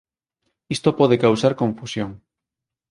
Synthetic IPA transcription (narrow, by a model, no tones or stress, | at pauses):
ist̪opɔðekawsaɾkõɱfusjoŋ